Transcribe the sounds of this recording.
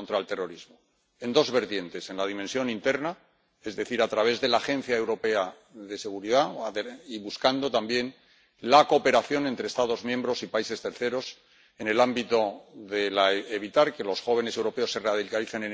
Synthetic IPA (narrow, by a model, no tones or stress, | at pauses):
nt̪ɾaelt̪e̞ro̞ɾizmo | e̞nd̪o̞zβe̞ɾt̪je̞nt̪e̞se̞nlað̞imẽnsjo̞nint̪e̞ɾna | e̞zðe̞θiɾat̪ɾaβ̞e̞zðe̞laːxẽ̞n̟θjae̞wɾo̞pe̞a | ðe̞se̞ɣ̞uɾiðaiβuskand̪o̞t̪ambje̞n | lako̞pe̞ɾaθjo̞ne̞nt̪ɾeːst̪aðo̞zmjembɾo̞sipaise̞st̪e̞ɾθe̞ɾo̞s | e̞ne̞lambit̪o̞ðe̞laeβ̞it̪aɾke̞lo̞sxo̞β̞e̞nese̞wɾo̞pe̞o̞sːe̞reaðilkaliθe̞nen